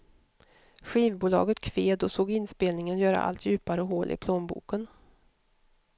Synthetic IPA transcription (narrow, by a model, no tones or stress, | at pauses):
ɧiːvbuːlɑ̰ːɡət̪kʰveːd̪ɔsoːɡɪnspeːlnɪŋənjœːɾa̰ʔa̰lt̪ʰjʉ̟ːpaɾəɔɦoːlʔɪ̰pʰloːnbṵːkən